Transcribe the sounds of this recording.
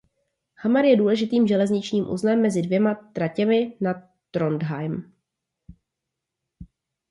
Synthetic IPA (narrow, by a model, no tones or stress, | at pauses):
hamaɾjɛduːlɛʒɪt̪iːmʒɛlɛzɲɪt͡ʃɲiːmʔṵznɛmːɛzɪdvjɛmat̪ɾacɛmɪna | t̪ɾondɦajm